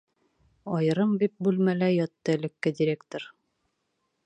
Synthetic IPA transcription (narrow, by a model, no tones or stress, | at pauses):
ɒjɤ̆ɾɤmbip̚bʉlmælæjɒt̪ːɤɘ̆lɘ̆kːɘdʲɪɾʲekt̪oɾ